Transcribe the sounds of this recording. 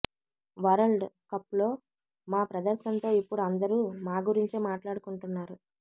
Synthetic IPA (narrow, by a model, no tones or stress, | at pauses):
ʋɐɾɐɭɖkɐpːlo̞ː | maːpɾɐd̪ɐɾʃɐnt̪o̞ːipːuɽuɐnd̪ɐɾuːmaːɡuɾiɲt͡ʃeːmaːʈlaːɽukuɳʈunːaːɾu